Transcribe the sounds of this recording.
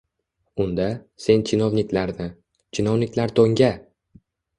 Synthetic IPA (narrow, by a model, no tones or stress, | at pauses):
ʊnd̪ase̞nt͡ʃʰɪnovnɪkʲlaɾnɪ | t͡ʃʰɪnovnɪkʲlaɾt̪ʰoŋɡʲa